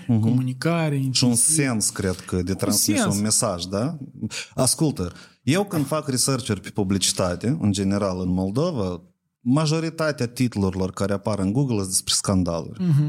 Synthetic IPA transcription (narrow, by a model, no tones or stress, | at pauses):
ɦkomunikaɾeʃunse̞nskɾe̞d̪kəd̪et̪ɾansmisunme̞saʒd̪a | askult̪ə | je̞wkɨnd̪̥fakrisərt͡ʃerʲpe̥publit͡ʃi̥t̪at̪e̞ɨ̰nd͡ʒe̞ne̞ɾalɨnmo̞ld̪o̞va | maʒo̞ɾit̪at̪eat̪it̪uluɾilo̞rkaɾeapaɾɨnɡuɡləsd̪espɾeskand̪a̰lṵrʲ